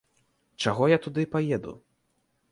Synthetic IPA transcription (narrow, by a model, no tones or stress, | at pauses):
t͡ʂaɣɔjat̪ud̪ɨpajɛd̪ṵ